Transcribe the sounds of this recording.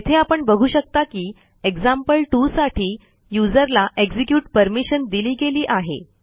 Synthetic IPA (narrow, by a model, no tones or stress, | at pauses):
t̪ʰeapəɳbəɡʱuːɕək̚t̪akiː | eɡd͡zampəlʈusaʈʰiː | jud͡zəɾlaʔeɡd͡zikjuːʈ̚pəɾmiɕənd̪iliːɡeliːʔaɦḛ